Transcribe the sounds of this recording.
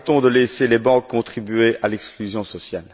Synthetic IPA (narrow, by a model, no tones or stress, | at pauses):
t̪ɔ̃d̪əleselebɑ̃kʰːɔ̃t̪χibɥeʔalɛksklyzjɔ̃sɔsjal